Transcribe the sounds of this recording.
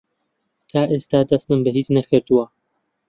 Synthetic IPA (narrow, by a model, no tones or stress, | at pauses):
t̪ʰaːʔest̪aːd̪ɐst̪ɨmbɨɦiːt͡snɐkʰɨɾt̪uwɐ